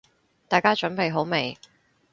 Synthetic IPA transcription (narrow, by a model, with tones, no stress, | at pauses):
t̪aː˨˩jkaː˥t͡ʃɵ˨˥npe˨jɦo˨˥wme˨j